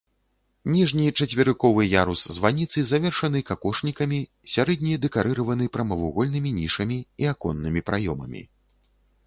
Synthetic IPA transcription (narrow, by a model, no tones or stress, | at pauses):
nʲiʐnʲit͡ʂɐt͡sʲvʲɛɾɨkɔvɨjaɾuszvanʲit̪sɨzavʲɛrʂɐnɨkakɔʂnʲikɐmʲi | sʲaɾɛd̪ʲnʲid̪ɛkaɾɨɾɐvɐnɨpɾɐmɐvuɣɔlʲnɨmʲinʲiʂɐmʲiːakɔ̰nːɨmʲipɾʔajɔmɐ̰mʲḭ